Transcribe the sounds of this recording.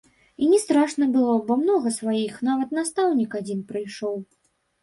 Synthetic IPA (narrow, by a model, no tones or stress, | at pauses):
inʲɛst̪ɾaʂnɐbɨlˠɔbɔmnɔɣɐsvajixnavɐt̪nast̪awnʲikad͡zʲinpɾɨjʂɔw